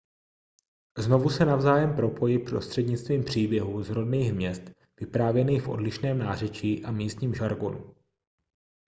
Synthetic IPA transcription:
zno̞vusɛnavzaːjɛmpɾo̞pʰo̞jɪpɾo̞st̪r̥ɛdɲɪt͡st̪viːmpr̝̥iːbjɛɦuːzɾo̞dniːxmɲɛst̪ | v̥ɪpɾaːvjɛniːxfʔo̞̰dlɪʃnɛːmnaːr̝ɛt͡ʃiːʔamiːst̪ɲiːmʒaɾɡo̞̰nṵ

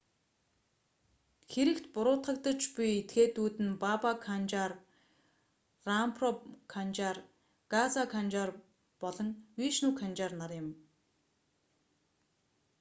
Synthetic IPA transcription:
xeɾɘ̆kt̪pʊɾʊːt̪χə̆kt̪ə̆t͡ɕpiet̪ɡeːt̪uːt̪ɘ̆npapakʰant͡ɕar | rampʰrɔkʰant͡ɕar | ɡ̥at͡sakʰant͡ɕar | pɔɮɞ̆ŋwiːʃnuːkʰant͡ɕarnarjɪ̆m

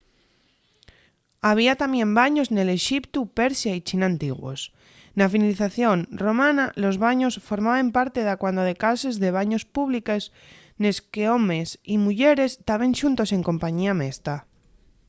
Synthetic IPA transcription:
aβ̞iat̪amjẽ̞mbaɲozne̞le̞ʃipt̪upe̞ɾsjait͡ʃinant̪iɣwo̰s | nafinaliθaθjo̞nro̞mãnalo̞zβaɲo̞sfo̞ɾmaβampaɾt̪e̞ðakwand̪oðe̞kase̞zðe̞β̞aɲo̞spuβlikes | ne̞skeomesimuʎe̞ɾe̞st̪aβe̞nʃunt̪o̞se̞ŋko̞mpaɲiamest̪a

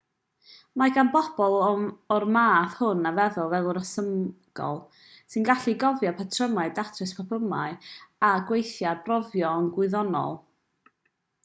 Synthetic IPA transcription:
maɡanbɔb̥ɔlˠɔrmaːθhʊnavɛðʊlˠvɛlˠɔɾəsəm | ɡ̥ɔ̰lˠ | sɨnɡaɬiɡɔvjapʰatʰrəmaɨdatʰrɨspʰapʰəma̰ɨaɡwejθjarbrɔvjɔnɡwɪɨðɔnɔ̰lˠ

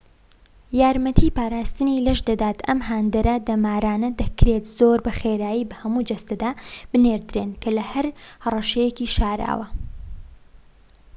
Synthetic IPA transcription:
jaːɾmɐt̪ʰipaːɾaːst̪ɨnilɐʃd̪ɐd̪aːt̪ɐ̰mɦaːnd̪ɐɾɐd̪ɐmaːɾaːnɐd̪ɐkɾet̪z̥oːɾbɐxeːɾaːjiːbɐhɐmud͡ʒɐst̪ɐd̪aːb̥ɨneːɾd̪ɾeːnkʰɐlɐhɐɾhɐrˤɐʃɐjekiʃaːɾa̰ːwɐ

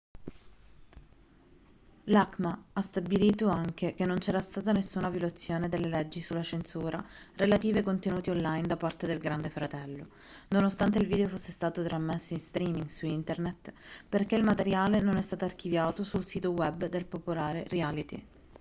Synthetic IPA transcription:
lakmaast̪abiliːt̪oaŋk̟ekenːont͡ʃɛːɾast̪aːt̪anesːuːnavjolat̪sːjoːned̪elːelɛd͡ʒːisulːat͡ʃensuːɾʔa̰ɾelat̪iːvekont̪enuːt̪ionlajnd̪apːart̪ed̪elɡɾand̪efɾat̪ɛlːo̰ | nonost̪ant̪eilviːd̪eofosːest̪aːt̪ot̪ɾamːesːinst̪ɾiːmiŋɡsuint̪ernet̪perk̟eilmat̪eɾjaːlenonɛst̪aːt̪oark̟ivjaːt̪osulsiːt̪owɛbd̪elpopolaːɾerialit̪ḭ

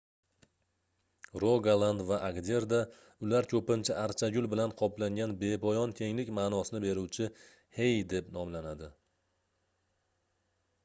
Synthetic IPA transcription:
ɾoɡalˠand̪vaʔaɡd̪ʲe̞ɾd̪a | ʊlaɾkʲʰɵpɪnt͡ʃʰɪʔaɾt͡ʃʰaɡʲʊlˠbɪlanqʰɒplaŋɡʲanbe̞bɒjɒnt̪ʰe̞ŋlɪkʲmaːnɒsɪnɪbe̞ɾuwt͡ʃʰɪ | hejd̪e̞pnɒmlanad̪ɪ

